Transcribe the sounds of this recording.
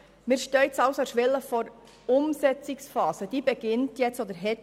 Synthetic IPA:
mɪːɾʃtœʏtsɑlsoʃʋɪlːəfɔɾ | ʊmsɛt͡sɪksfɑːsəd̥iːbɛɡ̥ɪntjɛt͡stɔd̪əɾɦɛt

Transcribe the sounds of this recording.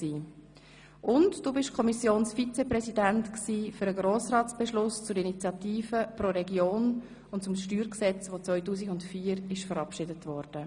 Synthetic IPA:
siː | ʔʊntd̥uːbɪʃkʰɔmisjoːnsfit͡sɛprɛsidɛntksiːføɾəɡɾoːsrɑːt͡sb̥ɛʃlʊst͡sʊɾinit͡sjɑtiːfəpɾoɾɛɡjoːn | ʊntt͡sʊmʃtyːɾksɛt͡sʋot͡sʋœʏtuːsiɡʊntfiːɾɪʃfəɾɑpʃɪdətvɔɾd̥ə

